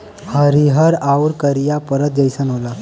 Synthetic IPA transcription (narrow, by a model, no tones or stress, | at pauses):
həɾiɦəɾauɾkəɾijapəɾət̪̚d͡ʑəjsənɦola